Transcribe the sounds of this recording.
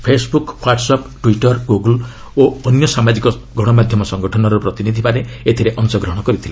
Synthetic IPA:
pʰesbukhwaʈsɔpʈwiʈɔɾɡuɡɔl | oɔnjɔsamad͡ʒikɔɡʱɔɽ̃ɔmad̪ʱjɔmɔsɔŋɡɔʈʰɔnɔɾupɾɔt̪inid̪ʱipaɾeet̪ʰiɾeʔɔŋsɔɡɾɔɦɔɽ̃ɔkɔɾit̪ʰile

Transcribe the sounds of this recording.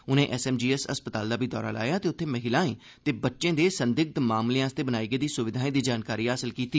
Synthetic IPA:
ʊnẽːʔɛsɛːmd͡ʒiːɛsə̰spət̪aːld̪aːbʱiːd̪ɔːɾa̰ːla̰ːjaːt̪eːʊt̪ʰːeːməɦɪlãːḛ̃ː | t̪eːbətːʃẽːd̪eːsənd̪ɪɡ̚t̪maːmlijãːst̪eːbənaːiːɡəiːd̪iːsʊʋɪd̪ʱaːẽːd̪iːd͡ʒaːnkaːɾiːɦaːsəlkiːt̪iː

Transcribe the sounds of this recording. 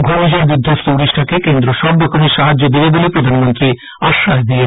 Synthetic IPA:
ɡʱɔɾiʃaɾbid̪ʱːost̪ouɾiʃʈʰakekend̪ɾoʃɔbɾɔkʰomeʃaɦad͡ʑːod̪ibebolepɾod̪ʱanmont̪ɾi | aʃːad̪ie

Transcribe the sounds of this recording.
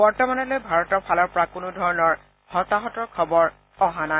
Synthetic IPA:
bɔɹtɔmanɔlojbʱaɹɔtɔɹpʰalɔɹpɔɹakʊnʊdʱɔɹɔnɔɹ | hɔtaɦɔtɔɹkʰɔbɔɹ | ɔɦana

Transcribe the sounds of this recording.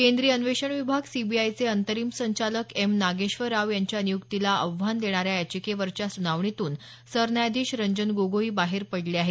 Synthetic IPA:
kend̪ɾiːənʋeɕəɳʋibʱaɡsibiajt͡seənt̪əɾiːmsəɲt͡ɕaləkemnaɡeɕʋəɾaʋjaɲt͡ɕjanijukt̪ilaʔəʋʋ̤and̪eɽ̃aɾjajat͡ɕikeʋəɾt͡ɕjasunaʋɳit̪uːn | səɾnajd̪ʱiːɕɾəɲd͡ʑənɡoɡoiːbaɦeɾpəɽleaɦe

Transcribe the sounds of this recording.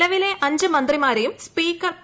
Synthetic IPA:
ɐʋileʔɐɲd͡ʑɨmɐnd̪rimaːɾejumspiːkːɐr

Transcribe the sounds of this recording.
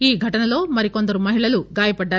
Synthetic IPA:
iːɡʱɐʈɐnɐloːmɐɾiko̞nd̪ɐɾumɐɦiɭɐluɡaːjɐpɐɖːɐ

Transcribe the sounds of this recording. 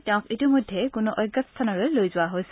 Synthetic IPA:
teʊ̃kitimojdʱːekʊnuʔɔjɡːat̪st̪ʰanɔɹelojzʊaɦojs

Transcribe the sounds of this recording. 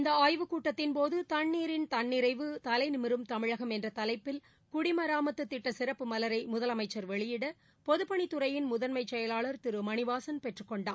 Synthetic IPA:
ɪnd̪ɐaːjʋɯkuːʈːɐt̪ːɪnpoːðɯt̪ɐɳːiːɾɪnt̪ɐɳːɪɾɐɪʋɯt̪ɐlɐɪnɪmɪɾɯmt̪ɐmɪɻɐɣɐmɛndrɐt̪ɐlɐɪpːɪl | kʊɽɪmɐɾaːmɐt̪ːɯt̪ːɪʈːɐsɪɾɐpːɯmɐlɐɾɐɪmʊðɐlɐmɐɪt͡ʃːɐɾʋɛɭɪjɪɽɐ | pɔðɯpːɐɳit̪ːʊɾɐjɪnmʊðɐnmɐɪt͡ʃːɛjɐlaːɭɐɾt̪ɪɾɯmɐɳɪʋaːsɐnpɛʈrɯkːɔɳɖaː

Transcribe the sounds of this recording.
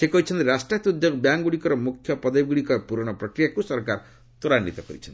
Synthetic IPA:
ekʌit͡sʰʌnt̪iɾasʈrat̪ud̪joɡbjaŋɡuɽikɔɾʌmukʰjʌpʌd̪aɡuɽikɔpuɾɔɽ̃ʌprʌkɾijakusʌrkar | t̪oɾanːit̪ɔkʌɾit͡sʰʌn

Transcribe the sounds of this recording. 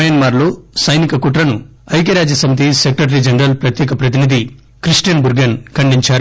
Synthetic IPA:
ɐjɐnmaːɾlo̞ːsɐjnikɐkuʈɾɐnu | ɐjk̬eɾaːd͡ʒjɐsɐmit̪̬isekɾɐʈ̬ɐɾid͡ʒɐnɐɾɐlpɾɐt̪jɛːkɐpɾɐt̪inid̪ʱi | kɾisʈjɐnbuɾɡɐnkɐɳɖiɲt͡ʃaːɾ

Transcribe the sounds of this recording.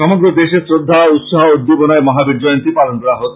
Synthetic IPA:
ɔmɔɡɾɔd̪esesɾod̪ʱːaɔut̪sɔɦɔod̪ːibɔnaemɔɦabid͡ʒɔjɔnt̪ipalɔnt̪ɔɾaɦot̪

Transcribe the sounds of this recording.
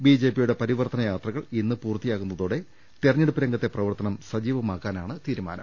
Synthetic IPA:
biːd͡ʑe̞ːpijuɽe̞pɐɾiʋɐrt̪ɐnɐjaːt̪rɐɣɐɭinːɨpuːrt̪ːijaːkːunːɐðoːɽe̞ | t̪irɐɲːeɽupːiɾɐŋɡɐt̪ːe̞prɐʋɐrt̪ɐnɐmsɐd͡ʑiːʋɐmaːkːaːnaːɳɨt̪iːɾuma̰ːnɐ̰m

